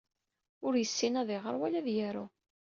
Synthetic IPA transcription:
ʊɾjəsːinæðɪʁə̰ɾˤwælæðjæɾu

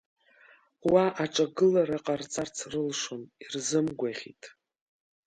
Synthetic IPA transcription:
waʔaʈ͡ʂʼaɡɨlaɾaqʼart͡sʼart͡sʰrɨlʂonirzɨmɡʷaʁʲḭtʼ

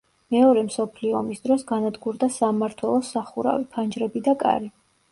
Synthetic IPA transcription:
mɛɔɾɛmsɔpʰliɔːmisd̪ɾɔsɡanad̪ɡuɾd̪asamaɾt̪ʰwɛlˠɔsaχuɾa̰vipʰand͡ʒɾɛbid̪akʼa̰ɾi

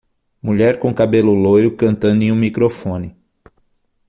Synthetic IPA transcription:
muʎɛɾkõkabelʊlojɾʊkɐ̃nt̪ɐ̃nd̪ʊẽũmikɾofõnɪ

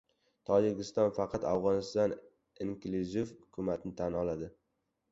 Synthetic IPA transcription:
t̪ʰɒd͡ʒɪɡʲɪst̪ɒnfɑqʰɑt̪avʁɒnɪst̪ɒn | iŋkluzɪfhʊkʰʊmat̪nɪt̪ʰanɒlad̪ɪ

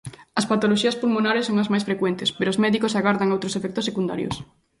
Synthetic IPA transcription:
ɐspat̪oloʃiɐspulmonaɾesːõŋɐzmajsfɾekwɛnt̪ɪspeɾozmɛðikosaɣaɾðaŋowt̪ɾosefɛk̚t̪osːekund̪a̰ɾjo̰s

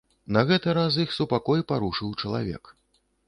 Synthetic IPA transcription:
nɐɣɛt̪ɨɾaz̬jixsupakɔjpaɾuʂɨwt͡ʂɐlˠa̰vʲɛ̰k

